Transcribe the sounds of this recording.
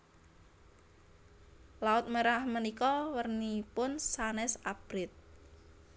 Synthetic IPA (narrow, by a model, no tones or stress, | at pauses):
laʊt̪̚məɾahmənikɔwərnipʊnsanɛsab̥ɾɪt̪̚